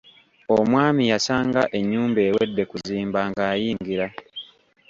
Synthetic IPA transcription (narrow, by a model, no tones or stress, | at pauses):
omwaːmijasaːŋɡaʔe̞ɲːuːmbe̞ːwe̞dːe̞kuziːmbaːŋɡaːjiːŋɡiɾa